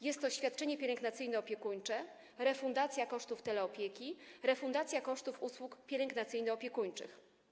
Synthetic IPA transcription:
jɛst̪ːɔɕfʲjat̪̚t͡ʂɛɲɛpʲjɛɾɛŋɡnat̪sɘjnɛɔpʲjɛkuɲt͡ʂɛ | ɾɛfund̪at̪sʲjakɔʂt̪uft̪ɛlɛɔpʲjekʲiɾɛfund̪at̪sʲjakɔʂt̪ufuswukpʲjɛɾɛŋɡnat̪sɘjnɨɔpʲjɛkuɲt͡ʂɘ̰x

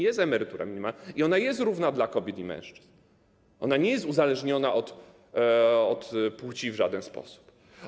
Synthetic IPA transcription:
jɛst̪ɛmɛɾɘt̪uɾa̰mʲiɲʲimaiɔnajɛst̪ɾuvnad̪lakɔbʲjɛt̪imɛ̰̃w̃ʂt͡ʂɘ̥z̥n | ʔɔnaɲɛjɛst̪uzalɛʐɲɔnaʔɔt̪ | ɔt̪put͡ɕivʐad̪ɛnspɔ̰su̥p

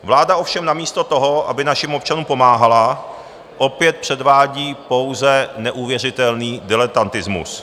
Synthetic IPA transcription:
vlaːdao̞fʃɛmnamiːst̪ot̪o̞ɦo̞ʔa̰bɪnaʃɪmop̚t͡ʃanuːmpo̞maːɦala | ʔo̞pjɛt̪̚pr̝̥ɛdvaːɟiːpo̞wzɛnɛʔuːvjɛr̝ɪt̪ɛlniːdɪlɛt̪ant̪ɪzmṵs

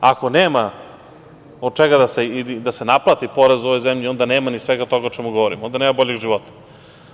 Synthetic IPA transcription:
ako̞neːma | od̪̚t͡ʃeɡad̪aseilid̪asenaplˠat̪ipo̞ɾezoʋo̞jzemʎio̞nd̪aneːmanisʋeɡat̪oɡaot͡ʃemuɡoʋoɾḭmnd̪ane̞ːmabo̞ʎeɡʒiʋo̞t̪ḁ

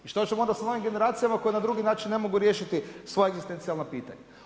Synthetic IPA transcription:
iʃt̪ot͡ʃemoo̞nd̪asano̞ʋimɡe̞ne̞ɾaːt̪sijamako̞jenad̪ɾuɡinaːt͡ʃinːe̞mo̞ɡuɾje̞ːʃit̪isʋo̞jeɡzist̪ent̪sijalˠnopiːt̪a̰ɲe

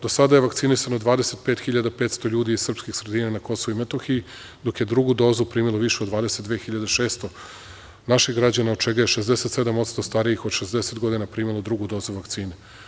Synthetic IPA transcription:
d̪osad̪ajeʋakt̪sinisanod̪ʋaːd̪e̞set̪̚pet̪xiʎad̪apeːt̪st̪o̞ʎuːd̪iizsr̩pskixsɾed̪iːnanako̞soʋuimet̪oxii | d̪o̞kje̞d̪ɾuɡud̪o̞ːzupɾiːmilˠoʋiʃeod̪ʋaːd̪eset̪d̪ʋexiʎad̪eʃeːst̪o̞ | naʃixɡɾad͡ʑanaod̪̚t͡ʃeɡajeʃezd̪ese̞t̪sed̪amot̪st̪o̞st̪aɾijixod̪ʃe̞zd̪eset̪ɡo̞d̪inapɾiːmilˠod̪ɾuɡud̪o̞ːzuʋakt̪siːne

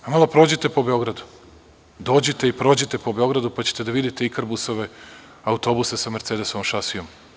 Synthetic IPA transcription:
amalˠopɾo̞ːd͡ʑet̪e̞po̞be̞o̞ɡɾad̪u̥ | d̪o̞ːd͡ʑet̪eipɾo̞ːd͡ʑet̪e̞po̞beo̞ɡɾad̪upat͡ɕe̞̥t̪e̞d̪aʋid̪it̪e̞ikaɾbuso̞ʋe̞ | aut̪o̞busesameɾt̪ed̪esomʃasijo̞m

